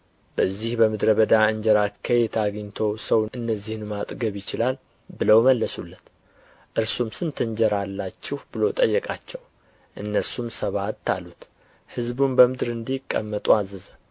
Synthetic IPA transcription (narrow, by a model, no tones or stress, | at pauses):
bəzːihbəmɨd̪ɾəβəd̪aɨɲd͡ʒəɾakʰːəjɛt̪ʰaɡɲt̪ʰo̞səwʔɨnːəzːihnmat̪ʼɡəβjɪt͡ʃɪlal | bɨləwməlːəsulːət̪ | ʔɨɾsumsɨnt̪ʰɨɲd͡ʒəɾalːat͡ʃːɪhbɨlo̞t̪ʼəjːɛkʼat͡ʃːɛw | ʔɨnːəɾsumsəβat̪ʰːalut̪ | hɨzbumbəmɨd̪ɨɾɨnd̪ikʼːə̰mːət̪ʼuazːɨzə